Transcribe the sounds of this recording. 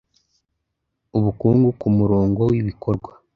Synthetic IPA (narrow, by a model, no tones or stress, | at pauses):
uβukuːŋɡukumuɾoːŋɡowiβiko̞ɾɡwa